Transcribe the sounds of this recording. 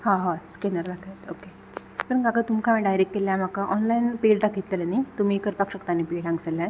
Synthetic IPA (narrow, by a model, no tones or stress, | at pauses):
ɦãɦãskɛnəɾd̪akʰat̪oke | pəɾnkakət̪umkʰamĩɖajɾekːeljãm̤akaʔɔnlainpeɖɖakʰit̪lələnat̪um̤iːkəɾpakɕəkt̪anːipeʈãŋɡsəlːja